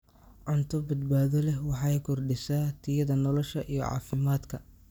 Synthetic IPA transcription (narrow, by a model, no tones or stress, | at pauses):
ʕʊnt̪ʰɔbɐd̪baːðɔlɛhwɑħɑjkʰɔrɖɪsaːt̪ʰɪjɐðɐnɔlɔʃɐʔijɔʕɑ̰ːfɪmaːd̪kʰɐ